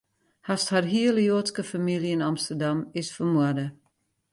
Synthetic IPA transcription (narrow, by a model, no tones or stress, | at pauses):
hastharɦiələjoːtskəfamiliɪnamstərdamɪsfərmuədə